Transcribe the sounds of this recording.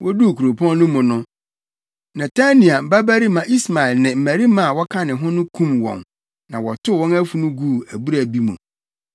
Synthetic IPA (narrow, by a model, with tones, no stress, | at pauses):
wʔɔ˦du˦˨kʰu˨ɾo˨pʰɔ̃˦nnʊ̃˦mʊ̃˨nʊ̃˦ | nã˨tʰa˦nĩ˨a˨m̩˨ba˦bæ˦ɾi˦mã˨ʔi˦sma˨ɪ˨lnɪ̃˨m̩˨mæ˨ɾi˦mã˦˨wɔ˦kʰã˦nɪ̃˨ɦʊ̃˦nʊ̃˦kʰũ˦mwɔ̰̃˨n | nã˨wɔ˨tʰʊ˦˨wɔ̃˦næ˦fu˨nũ˦ɡuː˦˨æ˨bu˦ɾæ˨bi˦mṵ̃˨